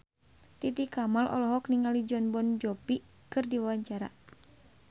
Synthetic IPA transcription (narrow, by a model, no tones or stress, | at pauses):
t̪it̪ikamalʔɔ̰lɔɦɔkniŋalid͡ʒɔnbɔnd͡ʒɔpi | kɨrdiwawaɲt͡ʃaɾa̰